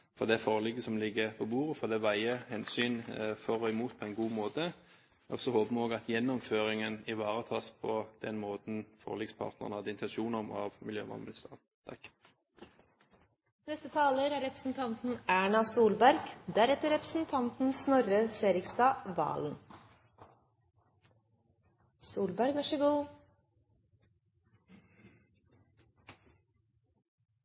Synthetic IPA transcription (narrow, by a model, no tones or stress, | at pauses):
fɔd̪ɛæfoːʁlɪɡəsɔmlɪɡːəpʰɔbuːʁəfɔʁd̪ɛʋæɪəhɛnsyːnfɔʁɔɪmuːt̪̚pʰɔæɪnɡuːmoːt̪ə | ɔ̰sɔhoːbəmɔːɡɑt̪jɛnːɔmføːʁɪŋənɪʋɑːʁət̪ʰɑːspʰɔd̪̥ɛnmoːt̪n̩fɔ̰ʁlɪɡspʰɑ̰ʁt̪nə̰ʁnəhɑd̪ɪnt̪ʰɛnʃuːnəm̰ɑ̰ʋmɪljø̰ːmɑ̰nmʉlst̪ɑ̰ːn | t̪ʰɑk | nɛst̪ət̪ʰɑːləɾæːɾɛpɾəsn̩t̪ʰɑnt̪n̩æːɳɑsuːlbæɾɡ̥d̪æɾɛt̪əɾɛpɾəsn̩t̪ʰɑnt̪n̩snɔɾəseːɾɪkst̪ɑːʋɑ̰ːln̩ | suːlbæɾɡʋɑʂəɡuː